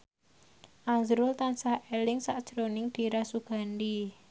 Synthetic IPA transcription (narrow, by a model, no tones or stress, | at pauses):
ʔazɾʊlt̪ansahelɪŋsaʔd̥ʒ̥ɾonɪŋd̪̥i̤ɾasuɡ̥a̤ndi